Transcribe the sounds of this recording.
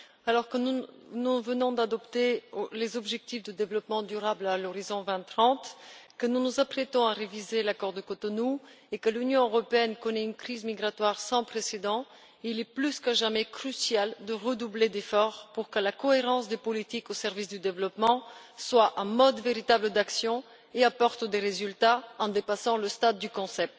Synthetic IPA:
alɔʁkənunuvənɔ̃d̪ad̪ɔpt̪eolezɔbʒɛk̚t̪ifd̪əd̪evlɔpmɑ̃d̪yʁablalɔʁizɔ̃vɛ̃t̪χɑ̃t̪kənunuzapχɛt̪ɔ̃aʁevizelakɔʁd̪əkot̪ɔnu | ekəlynjɔ̃øʁɔpeɛnkɔnɛynkχizmiɡʁat̪waʁsɑ̃pχesed̪ɑ̃ | ilɛplyskaʒamɛkχysjald̪əʁəd̪ubled̪efɔʁpuʁkəlakɔeʁɑ̃sd̪epɔlit̪ikosɛʁvisd̪yd̪evlɔpmɑ̃swaʔɑmɔd̪veʁit̪abləd̪aksjɔ̃ | eapɔʁt̪d̪eʁezylt̪aɑ̃d̪epasɑ̃ləst̪ad̪ːykɔ̃sɛp̚t̪

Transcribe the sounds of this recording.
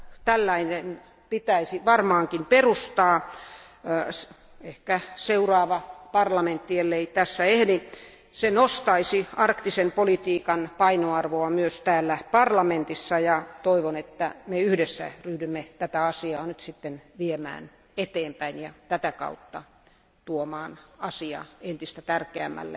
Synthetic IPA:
t̪ælːæinen | pit̪æisiʋɑrmɑːŋkimperust̪ɑː | s | ehkæseurɑːʋɑpɑrlɑment̪ːielːeit̪æsːæehdi | senost̪ɑisiɑrkt̪isempolit̪iːkɑnpɑinoɑrʋoɑmyøst̪æːlːæpɑrlɑment̪isːɑjɑt̪oiʋonet̪ːæmeyhdesːæ̰ryhdymːet̪æt̪æɑsiɑːnyt̪sit̪ːenʋiemæ̰ːn | et̪eːmpæinjɑt̪æt̪ækɑ̰ut̪ːɑ | t̪uomɑːnɑsiɑ̰ent̪ist̪æt̪ærkeæmːæ̰lːḛ

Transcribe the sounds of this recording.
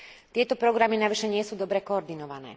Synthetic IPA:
t̪ɪɛt̪ɔpɾɔɡɾaminaʋiʃɛɲɪɛsuːd̪ɔbɾɛkɔːɾd̪inɔʋanɛ̰ː

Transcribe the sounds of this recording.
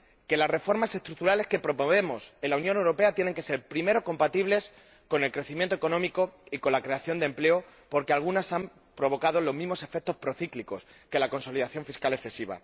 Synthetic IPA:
ke̞lazre̞fo̞ɾmase̞st̪ɾuk̚t̪uɾale̞ske̞pɾo̞poβe̞mo̞se̞nlaunjonewɾo̞pe̞at̪je̞ne̞ŋke̞seɾpɾime̞ɾo̞ko̞mpat̪iβle̞s | ko̞ne̞lkɾe̞θimjent̪oekonõ̞miko̞iko̞nlakɾe̞aθjo̞nd̪e̞mple̞opo̞ɾke̞alɣ̞unasam | pɾo̞βo̞kað̞o̞lo̞zmĩɦmo̞se̞fek̚t̪o̞spɾo̞θikliko̞s | ke̞lako̞nso̞liðaθjo̞ɱfiskale̞θe̞siβ̞a̰

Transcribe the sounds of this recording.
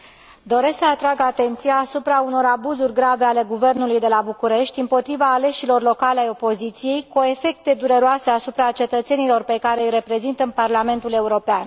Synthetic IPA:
d̪o̞ɾe̞sksəat̪ɾaɡat̪e̞nt̪sijaːsupɾauno̞ɾabuzurʲɡɾave̞ale̞ɡuve̞rnulujd̪e̞labukuɾe̞ʃt̪ʲɨmpo̞t̪ɾivaːle̞ʃilo̞rlo̞kaleajo̞po̞zit̪sije̞jkuoe̞fe̞k̚t̪e̞d̪uɾeɾoase̞asupɾat͡ʃe̞t̪ət̪se̞nilo̞rpe̞kaɾe̞jre̞pɾe̞zint̪əparlame̞nt̪ule̞uɾo̞pean

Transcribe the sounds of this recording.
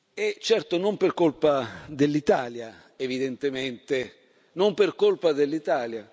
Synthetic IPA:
ɛt͡ʃːɛrt̪onomperkolpad̪elːit̪aːlja | evid̪ɛnt̪ement̪e | nompɪrkolpad̪elːit̪aːlja

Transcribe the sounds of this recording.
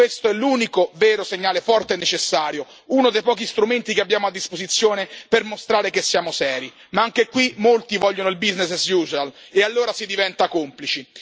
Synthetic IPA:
west̪oɛlːuːnikovɛːɾoseɲːaːlefɔrt̪enːet͡ʃesːaːɾjo | uːnod̪ejpɔːkist̪ɾument̪ikeabːjaːmoad̪ːispozit̪sːjoːnepermost̪ɾaːɾekesːjaːmosɛːɾi | maaŋk̟ekwimolt̪ivɔʎːonoilbiznessjuːzalealːoːɾasid̪ivɛnt̪akomplit͡ʃi

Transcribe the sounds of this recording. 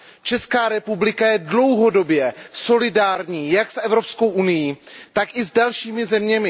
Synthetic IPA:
t͡ʃɛskaːɾɛpublɪkajɛdlo̞wɦo̞do̞bjɛso̞lɪdaːɾɲiːjaksʔɛvɾo̞psko̞wʔunɪjiːt̪akʔɪzdalʃiːmɪzɛmɲɛmɪ

